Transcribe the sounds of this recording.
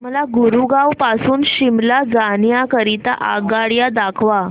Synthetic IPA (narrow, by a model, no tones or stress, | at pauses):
məlaɡuɾuɡawpasuːnɕimlad͡zanjakəɾit̪aʔa̰ɡaɽjad̪akʰʋa